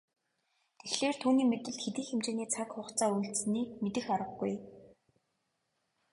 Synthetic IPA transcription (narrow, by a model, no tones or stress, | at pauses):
t̪ʰexɬeːr̥t̪ʰuːniːmet̪ɘ̆ɬt̪xeɮiːxemt͡ɕeːniːt͡sʰakχʊχt͡saːujɬt̪sniːkmet̪ɘ̆xaɾə̆ɡɡuj